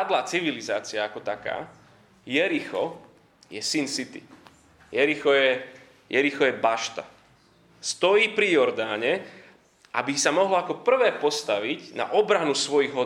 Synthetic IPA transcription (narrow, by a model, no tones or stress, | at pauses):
ad̪lat͡siʋiliza̰ːt͡siaakɔt̪aka̰ː | jɛɾixɔ | jɛsinsit̪ḭ | jɛɾixɔjɛ | jɛɾixɔjɛbaʃt̪a | st̪ɔjiːpɾijɔɾd̪aːɲɛ | ʔa̰bisamɔɦlakɔpr̩ʋɛːpɔst̪aʋiɟna̰ʔɔbɾanusʋɔjiɣɦɔ